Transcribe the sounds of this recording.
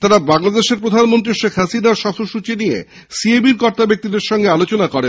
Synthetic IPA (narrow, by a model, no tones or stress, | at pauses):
t̪aɾabaŋlad̪eʃeɾpɾod̪ʱanmont̪ɾiʃekʰɦasinaɾʃɔfoʃut͡ɕinijḛ | siebiɾkɔɾt̪abek̚t̪id̪eɾʃɔŋɡealot͡ɕonakɔɾen